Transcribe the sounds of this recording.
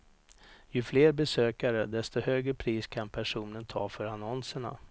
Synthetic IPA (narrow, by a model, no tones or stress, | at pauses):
jɵfleːɾbɛsøːkaɾəd̪ɛst̪ɔhøːɡɾəpʰɾiːskʰanpʰæʂuːnənt̪ʰɑ̰ːfœɾanɔnsəɳa̰